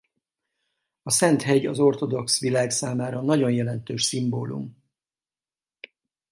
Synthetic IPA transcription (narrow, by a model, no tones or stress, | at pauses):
ɒsɛnt̪ɦɛɟɒzo̞rt̪o̞d̪o̞ksʋilaːɡsaːmaːɾɒnɒɟo̞njɛlɛnt̪øːʃsimboːlṵm